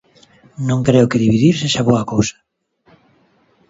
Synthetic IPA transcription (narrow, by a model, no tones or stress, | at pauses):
nõŋkɾeʊkeðiβiðiɾseʃaβoɐkowsḁ